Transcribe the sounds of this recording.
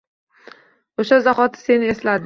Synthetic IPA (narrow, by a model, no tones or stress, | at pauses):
oʃazaχɒt̪ʰɪ̥se̞nɪe̞slad̪ɪ